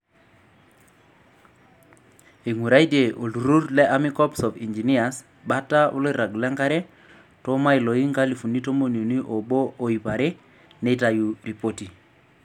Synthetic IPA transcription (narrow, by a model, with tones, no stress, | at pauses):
i˨ŋu˨ɾa˦i˦de˨ʔo˨lu˨ɾu˦ɾlɛ˦ʔa˦mi˦kɔ˦psɔ˨fi˨nd͡ʒi˨ni˦a˨s | ba˦tːa˦ʔʊ̰˦lo˦ɾa˨ɡlɛ˦ŋka˦ɾɛ˦ | to˦ma˦i˨lo˨i˦ŋka˦li˨fu˨ni˦to˦mo˦˨n˨o˨ni˦ʔo˨boː˦˨i˨pa˨ɾe˦ | ne˦ta˨ju˨ɾi˨po˦ti˨